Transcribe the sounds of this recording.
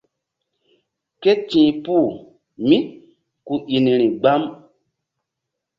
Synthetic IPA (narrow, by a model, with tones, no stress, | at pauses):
ke˦tĩː˨pu˦˨ | mĩ˦ | ku˨ʔi˨ni˨ɾi˨ɡ͡ba˦m